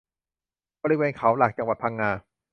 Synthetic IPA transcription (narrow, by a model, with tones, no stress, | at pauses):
bɔː˧ɾi˦˧weː˧nkʰa˨˦wlaː˨˩k̚t͡ɕa˧ŋwa˨t̪̚pʰa˧ŋːaː˧